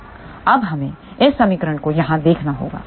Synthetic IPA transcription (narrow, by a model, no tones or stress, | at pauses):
ɐbɦɐmẽ | ɪsːɐmɪkɾəɽ̃kojɐɦãd̪eːkʰnaɦo̰ːɡa̰ː